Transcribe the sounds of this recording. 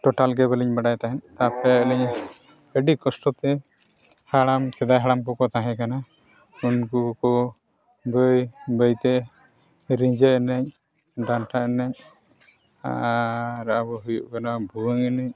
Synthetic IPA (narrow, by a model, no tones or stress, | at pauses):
ʈɔʈalɡɛβɛliɲbaɖajt̪aɦɛnt̪apɛəlɛɲ | əɖikɔsʈɔt̪ɛ | haɽamsɛd̪ajɦaɽamkɔkɔt̪aɦɛ̃kana | unkukɔ | bəjbəjt̪ɛ | ɾiɲd͡ʒɛɛnɛɲ | ɖanʈaʔɛnɛɲ | a̰ | ɾaabɔɦujuʔkanabʱuwəŋɛnɛɲ